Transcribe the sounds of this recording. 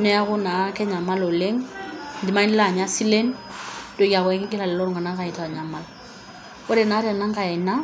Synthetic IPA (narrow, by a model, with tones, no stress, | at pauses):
nɛ˦a˦ɣʊ˦na˨kɛ˦ɲa˨ma˦lɔ˨le˦ŋn˨di˨ma˦i˦n˦la˦˨ɲa˦si˦le˦ndɔ˨˦i˦a˨ɣwɛ˦ŋɪ˦kɪ˦la˨lɛ˨lɔ˦ɾɔ˨ŋa˨na˦ka˨i˨ta˨ɲa˨ma˨l | ɔ˦ɾɛ˨na˨˦ɾɛ˨na˦ŋ̩˦ka˨ɛ˨na˦